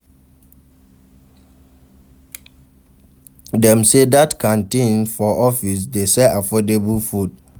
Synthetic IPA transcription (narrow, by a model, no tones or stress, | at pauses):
dɛ̃msedatkʰãntĩnfɔʔɔfis̬desɛʔafɔdebəlfud̚